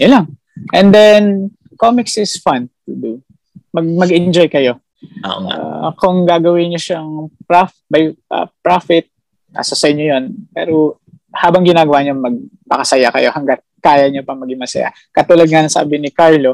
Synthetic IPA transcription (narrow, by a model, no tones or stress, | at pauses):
jɐlaŋ | ʔɛnd̪ɛn | komɪksɪsfant̪ud̪u | mɐɡ̚mɐɡɪnd͡ʒojkɐjo̞̰ | a̰kʊŋɡaːɡɐwɪɲoʃɐŋpɾafbɐjɐ̰pɹafɪt̪̚ | a̰sosɐʔɪɲːojonpɛ̰ːɾo | haːbɐŋɡɪnaːɡɐwaːɲoŋmɐɡ̚pɐkɐsɐjakɐ̰jo̞hɐŋɡat̪̚kaːjɐɲopɐŋmɐɡɪŋmɐsɐ̰ja̰ | kɐt̪ulɐd̪̚ŋɐnɐŋsa̰ːbɪnɪkaɹlo